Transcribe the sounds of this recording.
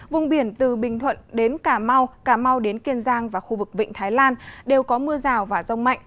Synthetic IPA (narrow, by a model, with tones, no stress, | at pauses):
vʊ˧ŋ͡mɓi˧˩ənt̪ɨ˨˩ɓï˨˩ŋ̟t̪ʰwə̰˧˨nɗe˨˦nkaː˧˩ma˧wkaː˧˩ma˧wɗe˨˦nki˧ənzaː˧ŋvaː˨˩xu˧vɨ˨˩k̚vḭ̈˧˨ŋ̟t̪ʰaː˨˦jlaː˧nɗe˨˩wkɔ˨˦mɨ˧əzaː˨˩wvaː˨˩zə˧wŋ͡mma̰˧˨jŋ̟